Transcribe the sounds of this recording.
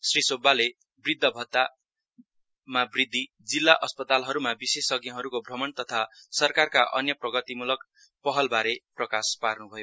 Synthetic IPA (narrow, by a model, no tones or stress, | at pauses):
srisobːale | brid̪ʱːʌbʱʌt̪ːa | mabrid̪ʱːi | d͡zilːaʔʌspʌt̪alɦʌɾumabisesʌɡjʌ̃ɦʌɾukobʱrʌmʌnt̪ʌt̪ʰasʌrkarkaʔʌ̰njʌprʌɡʌt̪imulʌk | pʌɦʌlbaɾeprʌkasparnubʱʌjo